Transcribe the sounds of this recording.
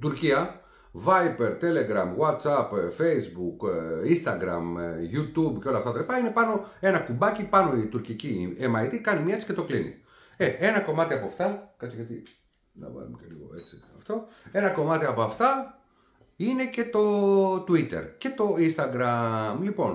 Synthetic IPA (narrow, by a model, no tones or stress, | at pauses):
t̪uɾciɐ | vɐjpeɾt̪e̞le̞ɡɾɐmɣwɐt̪sɐpfe̞zbukinst̪ɐɡɾɐ̰mjut̪ubceo̞lɐːft̪ɐt̪ɐlipɐine̞pɐno̞e̞nɐkumbɐcipɐno̞it̪uɾciciemɐjt̪ikɐnimɲiɐet͡si̥ce̞t̪o̞klinḭ | ee̞nɐko̞mɐt̪iɐpoɐft̪ɐkɐt͡siʝɐt̪i | nɐ̰vɐ̰lumeceliɣo̞̰e̞t͡siɐft̪o̞ | e̞nɐko̞mɐt̪iɐpo̞ɐft̪ɐ | ine̞cet̪o̞t̪uit̪e̞̰ɾce̞t̪o̞inst̪ɐɡɾɐmlipo̞n